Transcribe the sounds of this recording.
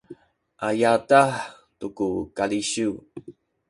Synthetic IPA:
ʔajataħ | tukukaliɕu

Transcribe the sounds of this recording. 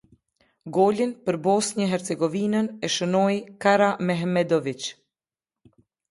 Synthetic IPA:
ɡɔlinpəɾbɔsɲəɦɛɾt͡sɛɡɔvinənɛʃənɔjkaɾamɛɦmɛd̪ɔvit͡ʃ

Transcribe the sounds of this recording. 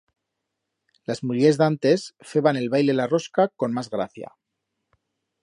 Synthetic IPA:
lazmulje̞zðant̪e̞sfe̞βane̞lβajlelaro̞skako̞nmazɣɾa̰θja̰

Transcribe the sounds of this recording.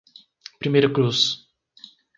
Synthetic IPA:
pɾimejɾɐkɾus

